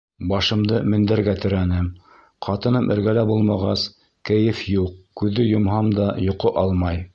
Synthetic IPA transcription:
bɑʃɤ̆md̪ɤmɘ̆nd̪æɾɡæt̪ɘ̆ɾænɘm | qʰɑt̪ɤ̆nɤmʔɘ̆ɾɡælæbulˠmɑʁɑs | kɘ̆jɘfjuq̚kʉðːɘjŏmɦɑmd̪ɑjŏqoʔɑlˠmɑj

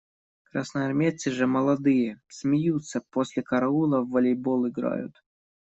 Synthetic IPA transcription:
kɾasnəɐrmʲet̪sɨʐɨməlˠɐd̪ɨjəsʲmʲɪjut̪səposʲlʲɪkɐɾɐulˠəvːɐlʲejbolˠɪɡɾa̰jʊ̰t̪

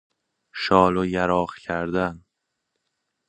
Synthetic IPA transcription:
ʃɒːlojæɾɒːχcʰæɾd̪æn

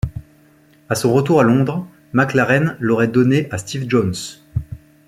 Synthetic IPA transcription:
asɔ̃ʁət̪uʁalɔ̃d̪ʁ | maklaʁɛnlɔʁɛd̪ɔneʔast̪ivʒɔns

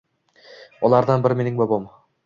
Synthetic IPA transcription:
ɒlˠɑɾd̪ɑnbɪɾmenɪŋbobom

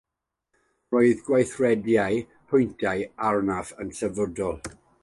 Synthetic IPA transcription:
rɔːɨðɡwajθrɛdjaj | pʰʊjntʰajarnafənsɛvɔdɔlˠ

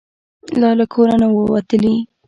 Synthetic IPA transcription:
lɑlakʰoɾanawəwat̪əli

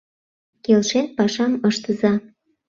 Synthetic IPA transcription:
kelʃenpɑʃɑməʃt̪əzɑ

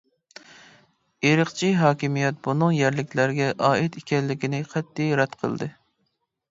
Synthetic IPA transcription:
eɾəqt͡ʃʰiɦɑːkʲimijɛt̪̚bunɨŋjɛɾlɪkʲʰlæɾɡʲɛʔɑːɪt̪ikʲɛlːɪkʲinɪqʰɛt̪ːijɾɑt̪qʰə̰lˠd̪ɨ

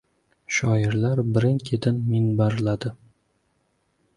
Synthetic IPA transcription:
ʃɒɪɾlaɾbɪɾɪŋkʲʰed̪ɪnmɪnbaɾlad̪ɪ

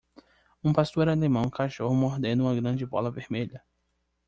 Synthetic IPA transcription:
ũpast̪oɾalemɐ̃w̃kʰaʃohmoɦd̪ẽnʊũmɐɡɾɐ̃d͡ʒɪbɔ̰lɐvehmeʎɐ

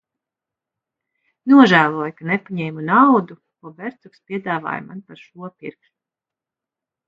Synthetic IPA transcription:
nuɔʒæːlˠuɔjukanepaɲɛːmunawd̪u | kuɔbɛɾt̪sukspʲiɛd̪aːva̰ːjmanpaɾʃuɔpiɾksu

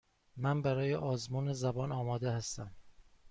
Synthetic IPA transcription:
mænbæɾɒːjeʔɒːzmuːnezæbɒːnɒːmɒːd̪ehæst̪æm

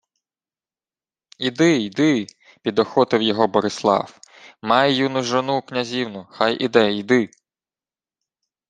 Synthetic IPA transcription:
id̪ɪid̪ɪ | pʲid̪ɔxɔt̪ɪwjɔɦɔbɔɾɪslˠɑ̰w | mɑjejunʊʒɔnuknʲɐzʲiwnʊxɑjʔid̪ɛid̪ɪ

